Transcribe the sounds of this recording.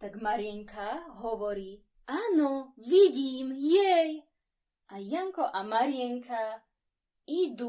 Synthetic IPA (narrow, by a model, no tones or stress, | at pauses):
t̪aɡmaɾiɛŋkʰaɦɔʋɔɾi | anɔʋiɟimjɛj | ajaŋkɔʔamaɾijɛŋkʰa | id̪u